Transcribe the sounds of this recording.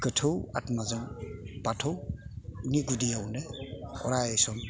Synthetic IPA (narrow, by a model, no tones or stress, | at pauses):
kətʰɯwa̰tmazɯŋpatʰɔwuniɡudijawneɔ̰ɾajejsɔm